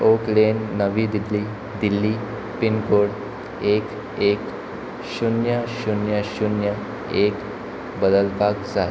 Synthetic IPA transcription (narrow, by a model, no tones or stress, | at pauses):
oklenːəʋid̪ili | d̪ilːi | pinkoɽ | ek | ek | ɕunjəɕunjəɕunjə | ek | bəd̪əlpakd͡zae